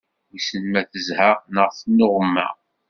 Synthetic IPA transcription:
jisənmæθəzhəʁnəʁθənːʊʁəmːæ̰

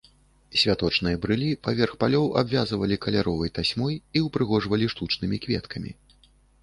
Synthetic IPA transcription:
sʲvʲat̪ɔt͡ʂn̪ɨjɐbɾɨlʲipavʲɛrxpalʲɔwa̰bvʲazvɐlʲikɐlʲaɾɔvɐjt̪asʲmɔjiwpɾɨɣɔʐvɐlʲiʂt̪ut͡ʂnɨmʲikvʲɛt̪kʰɐmʲḭ

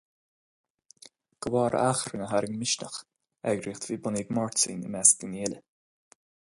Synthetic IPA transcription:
ɡ̥əwɑːɾ̰axɾənəɦaɾɪŋmɪʃnə̰x | ɛɡɾiːxt̪viːbɔniːɡmɔɹtḭːnə̰mɛsɡəniːlə

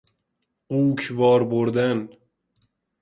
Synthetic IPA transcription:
ukʰvɒːɾboɾd̪æn

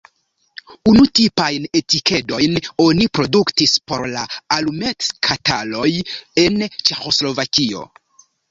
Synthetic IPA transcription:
unutipajne̞tike̞do̞jno̞nipɾo̞duktispo̞̰ɾlaalume̞tkʰatalo̞je̞nt͡ʃe̞xo̞slo̞vakio̞̰

